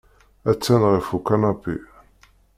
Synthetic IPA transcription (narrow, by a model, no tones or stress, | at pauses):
æt͡sːænʁifukːanabḭ